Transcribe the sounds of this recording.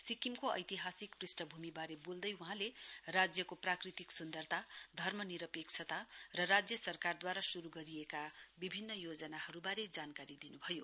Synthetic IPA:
sikimkoʌ̰jt̪iɦasikprisʈʌbʱumibaɾebold̪ʌjuɦãlerad͡zjʌkoprakrit̪iksund̪ʌrt̪ad̪ʱʌrmʌniɾʌpek̚t͡sʰʌt̪arʌrad͡zjʌsʌrkard̪waɾasuɾuɡʌɾiekabibʱinːʌjod͡zʌnahʌɾubaɾed͡zankaɾid̪inubʱʌjo

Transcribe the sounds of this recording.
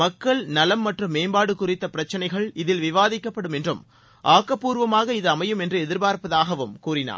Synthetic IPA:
ɐkːɐɭnɐlɐmːɐʈrɯmːeːmbaːɽɯkːʊrɪt̪ːɐpɪɾɐt͡ʃːɐnɐɪɣɐɭɪðɪlʋɪʋaːðɪkːɐpːɐɽɯmɛndrɯm | ʔaːkːɐpːuːɾʋɐmaːɣɐɪðɯɐmɐjɯmɛndrɯɛðɪɾbaːɾpɐðaːɣɐʋɯmkuːrɪna̰ː

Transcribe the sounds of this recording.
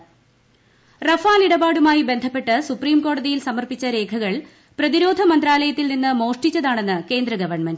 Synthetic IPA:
rɐfaːliɽɐbaːɽumaːjibe̞nd̪ʱɐpːe̞ʈːɨsupriːmko̞ːɽɐðijilsɐmɐrpit͡ɕːɐɾe̞ːkʰɐɣɐɭ | prɐðiɾo̞ːd̪ʱɐmɐnd̪ɾaːlɐjɐt̪ːilninːɨmo̞ːʂʈit͡ɕːɐðaːɳe̞nːɨke̞ːnd̪rɐɡɐʋɐrɳmend

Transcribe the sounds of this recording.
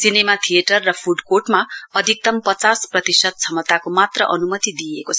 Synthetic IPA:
sinemat̪ʰijeʈʌrːʌpʰuɖkoʈmaʌd̪ʱik̚t̪ʌmpʌt͡sasprʌt̪isʌd̪̚t͡sʰʌmʌt̪akomat̪rʌʔʌnumʌt̪id̪iekot͡sʰʌ

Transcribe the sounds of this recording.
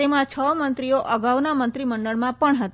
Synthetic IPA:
emãt͡ʃʰəmənt̪ɾioʔəɡaʋnamə̃nt̪ɾiməɳɖəɭmãpəɳɦət̪a

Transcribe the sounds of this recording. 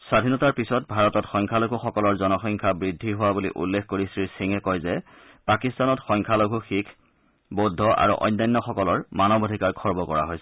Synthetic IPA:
sɹadʱinɔtaɹpisɔt̚bʱaɹɔtɔtxɔjŋkʰaloɡʱuxɔkɔlɔɹzɔnɔxɔjŋkʰabɹidʱːiɦʊwabulḭʔṵlːekʰkoɹisɹisiŋɛkɔjzɛ | pakistanɔtxɔjŋkʰaloɡʱuxikʰ | bodʱɔʔa̰ɹṵʔɔ̰jnːajnːɔxɔkɔlɔɹmanɔbodʱikaɹkʰɔɹbɔkɔɹa̰ɦojsɛ

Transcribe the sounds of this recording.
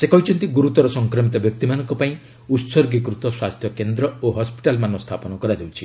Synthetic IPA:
sekɔɦit͡ʃʰɔnt̪iɡuɾut̪ɔɾɔsɔŋkɾɔmit̪ɔbjɔk̚t̪imanɔŋkɔpaĩ | ut̪sɔɾɡik̬ɾut̪ɔswast̪ʰjɔkend̪ɾɔoɦɔspi̥ʈalmanɔst̪ʰapɔnɔkɔɾad̪ʱewt͡ʃʰi̥

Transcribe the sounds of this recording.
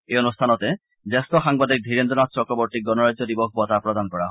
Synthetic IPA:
eɔnust̪ʰanɔt̪e | d͡ʒest̪ɔxaŋbad̪ik̚d̪ʱiɾend̪ɔnast͡ɕɔkɾɔbɔɾt̪ik̚ɡɔnɔɾad͡ʒjɔd̪ibɔk̚ʰbɔt̪apɾɔd̪ankɔɹaɦɔ

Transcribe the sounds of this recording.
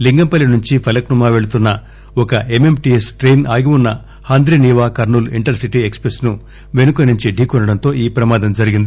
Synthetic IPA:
liŋɡɐmpɐlinuɲt͡ʃipʰɐlɐknumaːʋe̞ɭut̪unːɐ | ɔkɐe̞me̞mʈiesʈɾejnaːɡiunːɐ | haːnd̪ɾiniːʋaːkɐɾnuːliɳʈɐɾsiʈiekspɾesnu | ʋe̞nukɐniɲt͡ʃiɖʱiːkunːɐɽɐnt̪o̞ːiːpɾɐmaːd̪ɐmd͡ʒɐɾiɡind̪ii

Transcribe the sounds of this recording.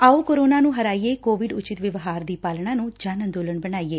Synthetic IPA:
aːoːkoɾoːnaːnũːɦəɾaːieːkoːʋɪɖʊt͡ʃɪt̪ʋɪʋɦaːɾd̪iːpaːlɳãːnũːd͡ʒaːnə̃nd̪oːləɳbənaːiːeː

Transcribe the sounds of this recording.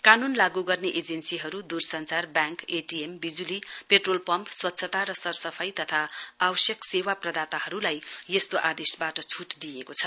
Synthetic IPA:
kanunlaɡuɡʌrneʔed͡zensiɦʌɾud̪ursʌnt͡sarbjãŋkeʈiembid͡zulipeʈrolpʌmpswʌt̪ːsʰʌt̪aɾʌsʌrsʌpʰʌjt̪ʌt̪ʰaawʌsjʌksewaprʌd̪at̪aɦʌɾulajjest̪oʔad̪esbaʈʌt͡sʰuʈd̪ijekot͡sʰʌ

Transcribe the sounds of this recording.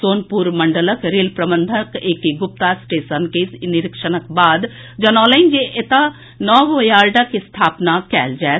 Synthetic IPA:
soːnpuːɾməɳɖələkɾeːlpɾəbənd̪ʱəkeːkiɡʊp̚t̪asʈeːsənkenɪɾɪkʃənəkbaːd̪ | d͡ʒənɔːlend͡ʒeʔet̪a | nɔːʋəjaːɾɖakist̪ʰaːpnakɛ̰ːld͡ʒae

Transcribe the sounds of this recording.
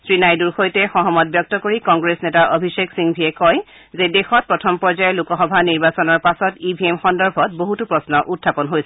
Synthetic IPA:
sɹinajduɹxojtɛxɔɦɔmɔt̚bjɔk̚tɔkoɹikɔŋɡɹesnetaʔobʱiseksiŋbʱiɛkɔj | zedexɔt̚pɹɔtʰɔmpɔɹzajɛlukɔxɔbʱaniɹbasɔnɔɹpasɔtibʱiemxɔndɔɹbʱɔt̚boɦutupɹɔsnɔʔutʰːapɔnɦojsɛ

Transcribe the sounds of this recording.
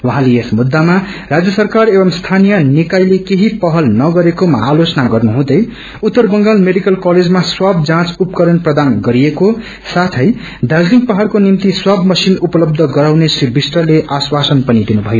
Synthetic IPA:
waɦãleesmud̪ːamarad͡zjʌsʌrkarebʌmst̪ʰanijʌnikajlekeɦipʌɦʌlnʌɡʌɾekomʌ̰ɦalot͡sʌnaɡʌrnuɦũd̪ʌj | ut̪ːʌrbʌŋɡalmeɖikʌlkʌled͡zmaswab̚d͡zãt͡supkʌɾʌnprʌd̪anɡʌɾijeko | sat̪ʰʌj | d̪ad͡zliŋkpʌɦarkonimt̪iswabmʌsinupʌlʌb̚d̪ʱʌɡʌɾawnesilbisʈrʌleʔaswasʌnpʌnid̪inubʱʌjo

